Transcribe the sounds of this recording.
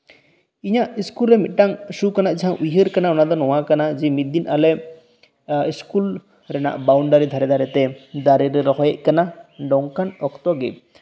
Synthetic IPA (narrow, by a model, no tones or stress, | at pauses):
iɲaʔiskulɾɛmit̪̚ˀʈaŋsukanaʔd͡ʒaɦãʔujɦəɾkanaɔnad̪ɔnɔwakanad͡ʒɛmit̪̚d̪inʔalɛ | iskul | ɾɛna̰ʔbawɳɖaɾid̪ʱaɾɛd̪ʱaɾɛt̪ɛd̪aɾiɾɛɾɔɦɔjɛʔ̚kanaɖɔŋkanɔkt̪ɔɡɛ